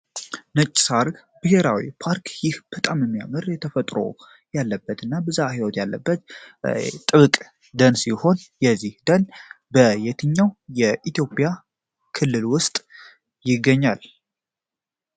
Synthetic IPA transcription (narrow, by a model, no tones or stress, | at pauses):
nət͡ʃʼːsaɾɡ | b̥ɨheɾawḭpʰaɾkʰjɪhb̥ət̪ʼamɛmːija̰mɨɾjɛt̪ʰəfət̪ʼɾo̞̰ | jalːəbːət̪ɨnːabəzahiwɔt̪jalːəbːət̪ | t̪ʼɨβɨkʼ | d̪ənsiho̞njɛzːihd̪ən | bəjɛt̪ʰɨɲːawjɛʔit̪jo̞pʼja | kʰɨlːɨlwʊst̪ʼ | jɪɡːəɲːal